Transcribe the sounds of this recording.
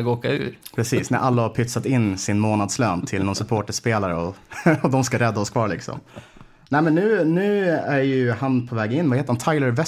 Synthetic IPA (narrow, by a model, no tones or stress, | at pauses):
ɡoːkaʉ̰ːɾpʰɾɛsiːsnæ̰ɾʔalːahapʰʏt̪sat̪ɪnːsɪnmoːnad̪sløːnt̪ʰɪlnɔnsɵpʰoːʈəʂpeːlaɾə̰ɔɔd̪ɔmskaɾɛd̪ːaɔskʰvɑːɭɪksɔ̰m | nɛɪmɛnːʉ̟ːnʉ̟ːæɾjɵhanpʰɔvɛːɡɪnːvaheːt̪əɾhant̪ʰaɪləɾvɛ